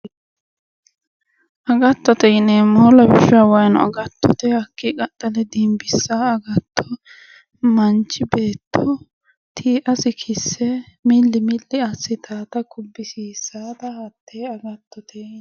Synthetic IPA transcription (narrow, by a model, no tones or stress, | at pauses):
ʔɐɡɐt̪ːɔt̪ɛjɪneːmɔlɐbɪʃaːwɐjnʊ̰ɐ̰ɡɐt̪ːɔt̪ɛhɐkːɪkʼɐt̪ːɐlɛd̪imbɪsːaɐɡɐt̪ʰːɔ | mɐnt͡ʃːɪbe̞ːt̪ʰːɔ | t̪ʰiːʔɐsɪkʰɪsːɛmɪlːɪmɪlːɪɐsːɪt̪ʰaːt̪ɐkʊbːɪsiːsaːd̪ɐhɐt̪ːeːɐɡɐt̪ːɔt̪ʰeː